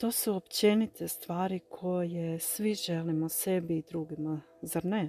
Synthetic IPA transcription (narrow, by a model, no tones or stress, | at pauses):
t̪o̞ːsuopt͡ɕe̞nit̪ʰest̪ʋaːɾikʰo̞je̞sʋiʒelimose̞biːd̪ɾuɡima | zaɾne